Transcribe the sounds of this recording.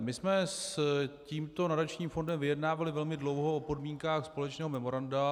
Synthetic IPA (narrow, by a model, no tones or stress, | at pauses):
mɪsmɛsciːmt̪o̞nadat͡ʃɲiːmfo̞ndɛmvɪjɛdnaːvalɪvɛlmɪdlo̞wɦoopo̞dmiːŋkaːxspo̞lɛt͡ʃnɛːɦomɛmo̞ɾanda